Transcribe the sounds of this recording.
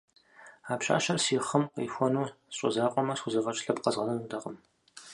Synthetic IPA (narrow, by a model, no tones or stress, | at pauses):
aːpɕa̰ːɕɐrsiːχɐmqḭːxʷɔnuːɕʼɔ̰zaːqʷʼɔmɐsxʷʊzɐʁɐt͡ʃʼɬɐbqɐzʁɐnɐnudʰɐqʼəm